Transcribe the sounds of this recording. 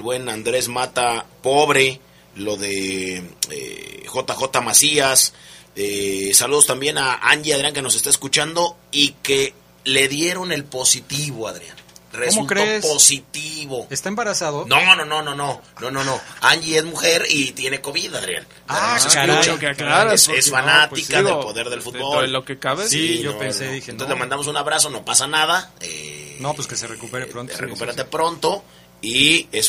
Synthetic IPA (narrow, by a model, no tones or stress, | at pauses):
elβwe̞nand̪ɾe̞zmat̪apo̞βɾe̞ | lo̞ðe | ḛxo̞t̪axo̞t̪amasiasesaluðo̞st̪ambje̞naa̰nʝiaðɾjaŋke̞no̞sest̪aeskut͡ʃand̪o̞ike | le̞ðje̞ɾo̞ne̞lpo̞sit̪iβo̞aðɾja̰nresulkɾeosposit̪iβo̞est̪aembaɾasaðononono̞no̞no̞nono̞no̞aɲʝie̞zmuxe̞ɾit̪je̞neko̞βiðaðɾja̰n | lasest͡ʃaɾasesfanat̪iskaðelpo̞ðe̞ɾðe̞lfut̪̚bollokekaβesioopeneðinoselomãnd̪amos̬unaβɾaso̞no̞pasanað̞aḛnopskeserekupeɾeɾontreku̥peɾat̪epɾo̞nt̪o̞ | ies